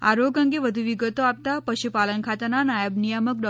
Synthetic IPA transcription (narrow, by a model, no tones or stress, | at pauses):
a̰ɾoɡə̃ŋɡeʋəd̪ʱuʋiɡət̪oap̚t̪apəɕupalənkʰat̪ananajəbnijamək̚ɖɔ